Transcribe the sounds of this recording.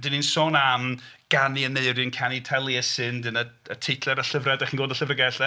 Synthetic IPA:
dɨninsoːnam | ɡ̥aniəneɨɾjɨnkʰanitʰɛlˠjɛsɨndɨnəətʰejtʰlɛɾəɬəvrɛdaχinɡoːdəɬəvrəɡɛɬɛ

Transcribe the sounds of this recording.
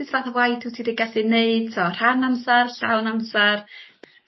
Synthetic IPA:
ɪsvaːθawajtʰutʰidiɡaɬineɨd̥sɔr̥anamsarɬawnamsar

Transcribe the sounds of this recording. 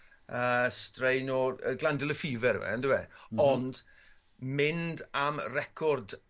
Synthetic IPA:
əstrejnɔə̰ɡlˠandɪlˠəfiːvɛɾ̰wɛ̰ndɪwɛɔnd̥ | mɪndamrɛkʰɔrd

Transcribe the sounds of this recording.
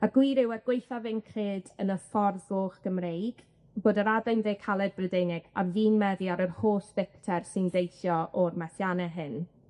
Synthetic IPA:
aɡwiɾɪwɛɡ̥wejθavɪnkʰrɨːdənəfɔrðoːχɡ̥əmrejɡ̥ | b̥oːdəɾadajnðeːkʰalˠɛd̚brədenɪɡ̥aviːnmɛðjaɾərhoːsbɪk̚tʰɛrsɪndejθjɔʔɔrmɛθjanɛɦɨn

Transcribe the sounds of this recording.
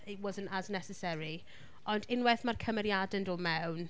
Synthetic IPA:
ɪtwɔzə̃ntəznɛsɛsɛɾi | ɔndɪnwɛθmarkʰəməɾjadəndɔmɛwwn

